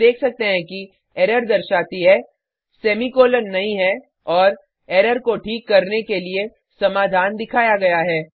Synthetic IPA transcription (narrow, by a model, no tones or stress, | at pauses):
d̪eːkʰsɐk̚t̪eɦɛ̃ki | ɛːɾəɾd̪ɐɾʃaːt̪iɦɛ | sɛːmikoːlənːɐɦĩɦɛ | ɔːɾ | ɛːɾəɾkoʈʰiːkːɐɾnekelie | sɐmaːd̪ʱaːnd̪ɪkʰaːjaɡɐjaɦɛː